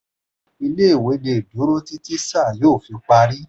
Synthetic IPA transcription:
i˧le˦i˦˨we˨˦de˧˨do˨˦ɾo˦ti˦ti˦sa˦˨joː˦˨fi˨˧k͡pa˧ɾi˦

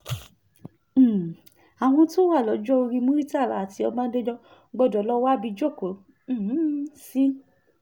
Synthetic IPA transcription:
a˨w̃ɔ̃˧to˦wa˦˨lɔ˨˦d͡ʒɔ˦o˧ɾi˧mũ˦ɾi˦ta˦˨la˨ti˧ɔ˧mãː˦de˦d͡ʒɔ˦ | ɡ͡bɔ˧˨dɔ˨˦lɔ˦wa˦bi˧d͡ʒo˦˨kõ˨˦˨ | si˦

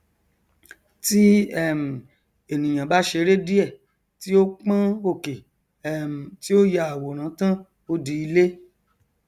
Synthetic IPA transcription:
ti˦ɛ˦˨m̩˨ | e˨nĩ˨j̃ã˨ba˨˦ʃe˧˦ɾe˦di˦ɛ˦˨ | ti˦o˦k͡pã˦o˦˨ke˨ | ɛ˦m̩˨ti˦o˦ja˧˦a˨wo˨ɾ̃ã˨˦tã˦ | o˧di˨˧i˧le˦

